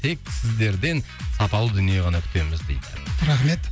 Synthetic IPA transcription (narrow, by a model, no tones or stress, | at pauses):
t̪ʰe̞k̚sɪzd̪e̞ɾd̪e̞n | sɑpɑlˠəd̪ʏnije̞ʁɑnɑkʲʰʏ̥t̪e̞mɪzd̪ḛjd̪ɪ̰ɾaχmet̪